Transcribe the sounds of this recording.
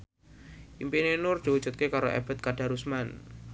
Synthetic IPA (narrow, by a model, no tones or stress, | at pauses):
ʔimpinenʊr̥ou̥d͡ʒ̥ṳt̪̚kekaɾoʔḛb̥ə̤t̪̚kaɖa̤ɾusman